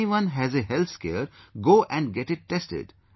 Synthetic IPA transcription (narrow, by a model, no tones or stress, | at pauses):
iʋʌ̃nɦæzeɦɛlt̪skḛːɾɡoːʔɛ̃ɳɡɛʈɪʈ̚ːɛsʈɪ̰ɖ